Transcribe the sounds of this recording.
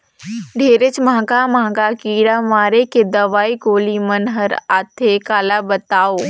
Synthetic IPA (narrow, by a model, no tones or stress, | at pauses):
ɖʱeːɾɪt͡ʃmãːɡamãːɡakiːɽamaːɾeked̪ɐʋaːikoːlimɐnɦəɾaːt̪ʰekaːlabət̪aːoː